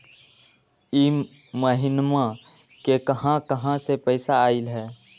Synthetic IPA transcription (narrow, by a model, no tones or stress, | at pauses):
im | məɦɪnmã | kekəɦãkəɦãsepəɪsaaːɪlɦɛː